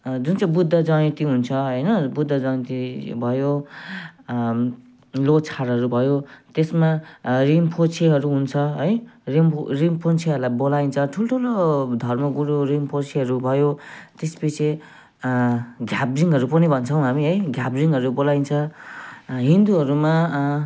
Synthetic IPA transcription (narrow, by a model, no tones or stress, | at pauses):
d͡zunt͡saj̃bud̪ʱːʌd͡zʌnit̪iɦunt͡sʰʌɦʌjnʌbud̪ʱːʌd͡zʌnit̪ibʱʌjo | lot͡sʰaɾɦʌɾubʱʌjot̪esmarimpʰot͡sʰeɦʌɾuɦunt͡sʰʌɦʌjrimrimpʰont͡sʰeɦʌɾlajbolaint͡sʰʌʈʰulʈʰulod̪ʱʌrmʌɡuɾorimpʰot͡sʰeɦʌɾubʱʌjot̪esi̥pit͡sʰe | ɡʱjabriŋɦʌɾupʌnibʱʌnt͡sʰʌw̃ɦamiɦʌjɡʱabriŋɡɦʌɾubolaint͡sʰʌ | ɦind̪uɦʌɾuma